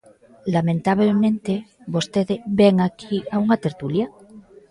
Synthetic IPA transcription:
lamẽnt̪aβ̞lemẽnt̪ebo̞st̪eðeβeŋakʰiauŋat̪eɾt̪ulja

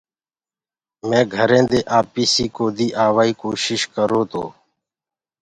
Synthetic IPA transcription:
mẽːɡʱəɾẽːd̪eːʔaːpiːsiːkoːd̪iːʔaːʋaːiːkoːʃɪʃkəɾoːt̪o̰ː

